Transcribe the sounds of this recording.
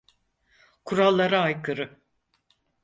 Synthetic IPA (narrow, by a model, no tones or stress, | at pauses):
kʰuɾalˠːaɾaajkʰɯɾɯ